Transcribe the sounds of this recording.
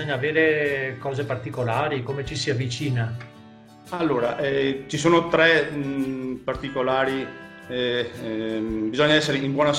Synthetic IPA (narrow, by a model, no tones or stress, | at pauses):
oɲːaːveːɾekɔːzepart̪ikolaːɾikomet͡ʃisiavːit͡ʃiːna | alːoːɾaʔɛt͡ʃisoːnot̪ɾɛ | part̪ikolaːɾi | bizɔɲːaɛsːeɾeimbwɔːna